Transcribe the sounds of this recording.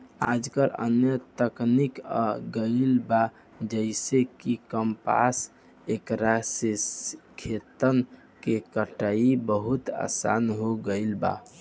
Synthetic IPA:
a̰d͡ʒkəɾə̰njət̪əknikɡəɪlba | d͡ʒəɪsekikəmpa̰s | ekɾasiskʰːet̪ən | kekəʈaibəɦut̪a̰sa̰nɦoɡəɪlba̰

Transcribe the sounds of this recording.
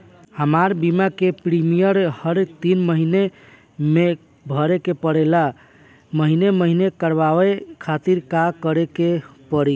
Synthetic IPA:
həmaɾbimakepɾimijəɾhəɾt̪inməɦine | me | bʱəɾekepəɽela | məɦineməɦinekəɾbawekʰat̪iɾkakəɾekepəɾi

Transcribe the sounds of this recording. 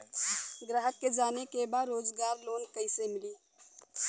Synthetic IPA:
ɡɾaːɦəkːed͡ʒaːnekebaːd̪ɾoːd͡ʒɡaːɾloːnkəɪsemɪliː

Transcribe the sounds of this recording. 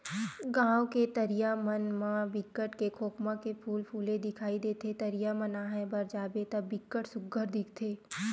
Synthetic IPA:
ɡãːwket̪əɾijamənmãbɪkːəʈkekʰoːkmãkepʰuːlpʰuːled̪ɪkʰaːid̪et̪ʰet̪əɾijamə̃naɦɛbəɾd͡ʒaːbet̪əbɪkːəʈsʊɡəɾd̪ɪkʰt̪ʰeː

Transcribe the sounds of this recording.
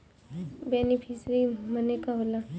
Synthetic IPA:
benipʰisɾimənekaɦola

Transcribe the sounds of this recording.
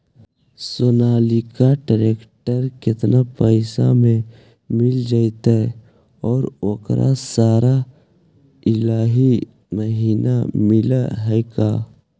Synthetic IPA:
sʊnaːlikaɖəɾeːkʈəɾkɪt̪napəɪsa̰mẽ | mɪld͡ʒaːit̪ɛ | ɔːɾoːkɾʔa̰saːɾa | ɪlaːɦi | məɦiːnamɪlaɦɛːkaː

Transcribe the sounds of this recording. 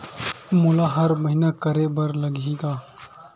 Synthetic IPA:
mʊlaɦɐɾmɐɦinakɐɾebɐɾlɐɡiɡaː

